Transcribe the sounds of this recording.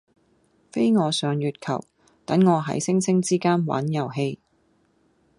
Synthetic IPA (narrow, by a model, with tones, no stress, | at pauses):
fe˥jŋɔː˨˧sœː˨˧ŋjyː˨t̚kʰɐ̰˨˩w | t̪ɐ˨˥ŋŋɔː˨˧ɦɐ̰˨˥jsɪ˥ŋsʰɪ˥ŋt͡siː˥kaː˥nwɐ̰ː˨˥njɐ˨˩wɦe˧j